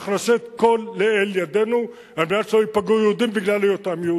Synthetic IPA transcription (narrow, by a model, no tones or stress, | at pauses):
χnaset̪ko̞lːeeljad̪enu | ameasoipaɡujeud̪imbiɡlalejot̪amje